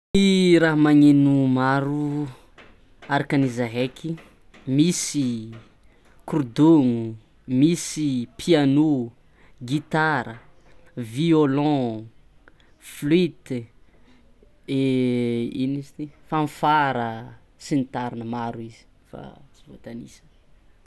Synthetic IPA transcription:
niɾaɦamaŋenumaɾu | aɾakanizaɦekʰi | misi | kurd̪oŋu | misipʰiano | ɡit̪aɾə | violɔ̃ | flit̪ | e | inizt̪ifanfaɾə | sinit̪aɾinəmaɾuizi̥ | fa̰t͡sivot̪anḭsə̥

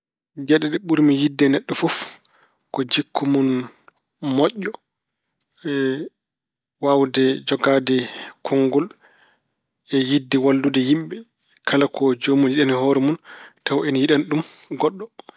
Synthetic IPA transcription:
ɡɛɗɛɗɛɓuɾmijidːɛnɛɗːɔfuf | kɔd͡ʒikʰːumun | mɔʔːɔ | ɛ | wawdɛd͡ʒɔɡadɛkʰɔŋɡɔl | ɛjidːɛwalːudɛjimɓɛ | kʰalakʰɔd͡ʒomunjiɗanihɔɾɛmuntawʔɛnjiɗanɗumɡɔɗːɔ

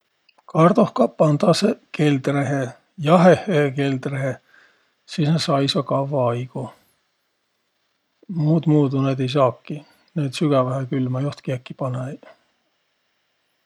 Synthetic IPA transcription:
kɑrd̪̥ohkɑpːɑnd̪ɑseke̞ld̪reɦe | jɑɦeheke̞ld̪reɦe | sisnɑsɑjsɑkɑvːɑɑjɡ̥u | muːd̪muːd̪uned̪ejs̬ɑːkːi | ned̪syɡ̥ɑvɑɦekylmɑjuht̪kiækːˑipɑne

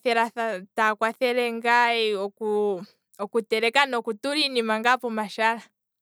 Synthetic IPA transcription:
θɛɾaθatakwaθɛɾɛŋɡaiɔku | ɔkutɛɾɛkanɔkutuɾinimaŋɡapɔmaʃaɾa

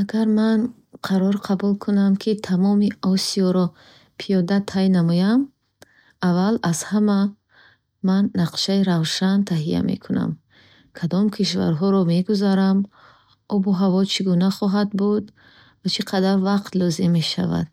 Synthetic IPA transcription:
aɡaɾman | qʰaɾɔɾqʰabulkʰunamkʰit̪ʰamɔmiɔsiɔɾɔ | pʰijɔd̪at̪ʰajnamɔjam | avalazhama | manːaqʃaiɾavʃant̪ʰaɦija̰mḛkʰuna̰m | kʰad̪ɔmkʰiʃva̰ɾɦɔɾɔme̞ɡuzaɾam | ɔbuɦavɔt͡ʃʰiɡunaχɔɦad̪̚bud̪ | vat͡ʃʰiqʰad̪aɾvaqt̪lɔzimːeʃa̰va̰d̪̥̚

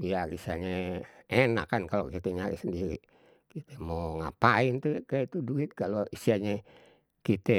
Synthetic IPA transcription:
biaɾḭsaɲɛena̰kːankalokit̪ɛɲaɾḭsəndiɾḭ | kit̪ɛmoŋa̰paint̪ukajait̪uduit̪̚kaloisiaɲɛ | kit̪ɛ

